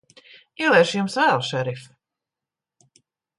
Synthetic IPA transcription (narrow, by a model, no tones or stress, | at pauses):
iɛlˠɛjʃjumsvæːlˠʃɛɾif